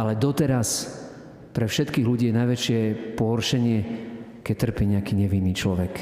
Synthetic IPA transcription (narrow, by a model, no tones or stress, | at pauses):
ʔalɛd̪ɔt̪ɛɾas | pɾɛfʃɛt̪kiːɣluɟiːjɛnajʋɛt͡ʃɪɛpɔɦɔrʃɛɲɪɛ | kɛc̚t̪r̩piːɲɛakiːɲɛʋinːiːt͡ʃlɔʋɛk